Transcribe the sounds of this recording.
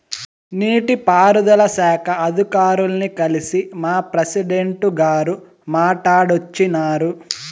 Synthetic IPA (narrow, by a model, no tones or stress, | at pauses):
niːʈipaːɾud̪ɐlɐsɛːkʰɐɐd̪ʱikaːɾulɐnikɐlisimaːpɾɐsiɖeɳʈuɡaːɾu | maːʈaːɽot͡ʃːinaːɾu